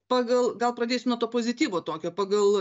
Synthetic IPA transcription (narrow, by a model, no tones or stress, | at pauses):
pɑːɡɐlˠɡɐlˠpɾɐdʲeːsʲɪmnuɔt̪oːpoːzʲɪt̪ʲiːʋoːt̪oːkʲoːpɑːɡɐlˠ